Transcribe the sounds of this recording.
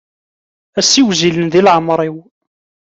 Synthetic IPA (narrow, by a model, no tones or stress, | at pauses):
æsiwzilənðilʕəmɾˤiw